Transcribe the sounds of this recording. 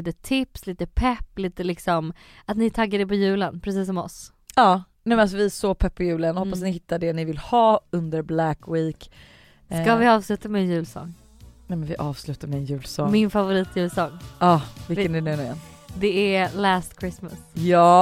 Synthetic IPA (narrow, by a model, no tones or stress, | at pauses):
iːt̪ət̪ʰɪpsliːt̪əpʰɛpːliːt̪əlɪksɔm | at̪nɪt̪ʰaɡːad̪ɛpɔjʉ̟ːlənpʰɾɛsiːs̬ɔmɔ̰s | ɑːnɛmɛnasɔvɪsɔpʰɛpːɔjʉ̟ːlənɔhɔpːas̬at̪nɪhɪt̪ʰːaɖɛnɪvɪlhɑːɵnd̪əɾblækwiːk | skavɪɑːvslʉ̟ːt̪amɛːnjʉ̟ːlsɔ̰ŋː | nɛmɛnvɪʔɑːvslʉ̟ːt̪aɾmɛɛnjʉ̟ːlsɔŋmɪnfavʊɾiːt̪jʉ̟ːlsɔŋːɑːvɪlkːənɛnʉnɛnd̪ɛælæːst̪kʰɾɪsma̰sjɑː